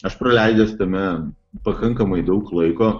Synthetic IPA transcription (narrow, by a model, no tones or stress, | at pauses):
ɐʃpɾɐlʲæɪd͡ʒʲɛst̪ɐmʲɛ | pɐkɐŋkɐmɐɪd̪ɐʊklˠɐɪkoː